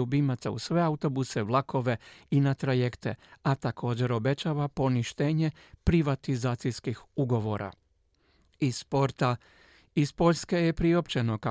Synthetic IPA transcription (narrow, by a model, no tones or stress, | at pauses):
ubimat̪sa̰ṵsʋe̞aut̪o̞buse̞ʋlˠakʰo̞ʋe̞inat̪ɾaje̞kt̪e̞̰at̪akʰo̞ːd͡ʑe̞ɾo̞be̞t͡ɕaʋapo̞niʃt̪e̞ːɲe̞ | pɾiʋat̪izaːt̪sijskixuɡo̞ʋo̞ɾa̰ | ispoɾt̪a | ispo̞ʎske̞je̞pɾio̞pt͡ɕe̞no̞ka